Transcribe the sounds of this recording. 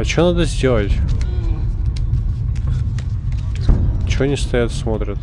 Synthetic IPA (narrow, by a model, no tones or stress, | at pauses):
ɐt͡ɕonad̪əzʲdʲelˠətʲ | t͡ɕɪonʲɪst̪ɐjat̪smot̪ɾʲət̪